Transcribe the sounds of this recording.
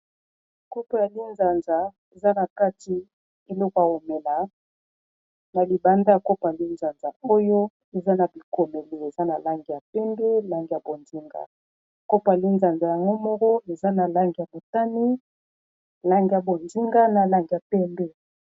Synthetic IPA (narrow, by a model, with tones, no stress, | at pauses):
ko˦po˨ja˨li˦nza˨nza˨ | e˨za˦na˨ka˦ti˨ | e˨lɔ˦ko˨ja˨o˨me˨la˨ | na˨li˨ba˨nda˦a˨ko˦pa˨li˦nza˨nza˨o˦jo˦ | e˨za˦na˨bi˨ko˨me˨le˨e˨za˦na˨la˦ŋɡi˨ja˨pɛ˦mbɛ˦la˦ŋɡi˨ja˨bo˨nzi˦ŋɡa̰˨ | ko˦pa˨li˦nza˨nza˨ja˨ŋɡo˦mɔ˦kɔ˦e˨za˦na˨la˦ŋɡi˨ja˨mo˨ta˦ni˦ | la˦ŋɡi˨ja˨bo˨nzi˦ŋɡa˦na˨la˦ŋɡi˨ja˨pɛ˦mbɛ˦